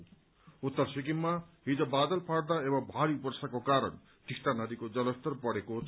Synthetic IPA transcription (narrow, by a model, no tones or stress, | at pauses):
ut̪ːʌrsikimːaɦid͡zʌbad̪ʌlpʰaɽd̪aebʌbʱaɾipʌrsakokaɾʌ̰n | ʈisʈanʌd̪ikod͡zʌlʌst̪ʌrpʌɽekot͡sʰ